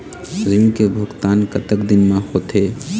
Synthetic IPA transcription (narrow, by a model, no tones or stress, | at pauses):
zĩkebʱʊɡt̪aːnkət̪əkd̪ɪnmãhot̪ʰe